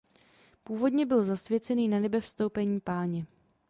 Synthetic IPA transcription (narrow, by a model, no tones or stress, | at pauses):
puːvo̞dɲɛbɪlzasvjɛt͡sɛniːnanɛbɛfst̪owpɛɲiːpaːɲɛ